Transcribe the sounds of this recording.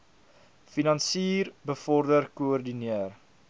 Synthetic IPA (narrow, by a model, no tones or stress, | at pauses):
finɐnsiːrbəfɔrdərkuɔrdiniər